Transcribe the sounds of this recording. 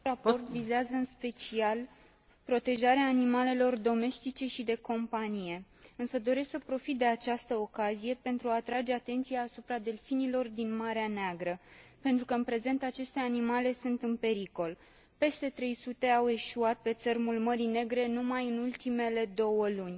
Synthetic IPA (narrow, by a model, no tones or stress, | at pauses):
rapo̞rt̪vizeazəɨnspe̞t͡ʃial | pɾo̞t̪e̞ʒaɾeaːnimale̞lo̞rd̪o̞me̞st̪it͡ʃe̞ʃid̪e̞ko̞mpanije̞ɨnsəd̪o̞ɾe̞sksəpɾo̞fit̪̚d̪e̞at͡ʃast̪əo̞kazije̞pe̞nt̪ɾuat̪ɾad͡ʒe̞at̪e̞nt̪sijaːsupɾad̪e̞lfinilo̞rd̪inmaɾeaneaɡɾəpe̞nt̪ɾukəɨnpɾe̞ze̞nt̪at͡ʃe̞st̪e̞animale̞sunt̪ɨnpe̞ɾiko̞l | pe̞st̪e̞t̪ɾe̞jsut̪e̞awe̞ʃuat̪̚pe̞t̪sərmulməɾine̞ɡɾe̞numajɨnult̪ime̞le̞d̪o̞wəlunʲ